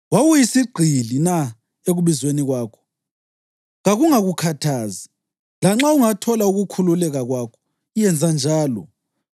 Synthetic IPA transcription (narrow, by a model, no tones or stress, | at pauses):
wawujisiɡ͡ǀʱilina | eɣuβizweniɣwaːkʰɔ̥ | ɣaɣuŋaɣukʰatʰaːzi | laŋ͡ǁauŋatʰɔlauɣukʰululɛɣaɣwakʰɔ̥ | ijɛnd͡zʱand͡ʒʱaːlɔ̰